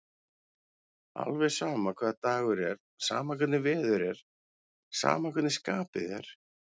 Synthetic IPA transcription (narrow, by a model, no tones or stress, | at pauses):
a̰lvɛ̥saːmakʰvɛːðat̪aːɣʏɾɛɾ | sa̰ːmak̬ʰʏt̪nɪvɪːðʏɾɛɾ̥ | sa̰ːmakʰʏt̪nɪskaːpɪðɛ̰ɾ̥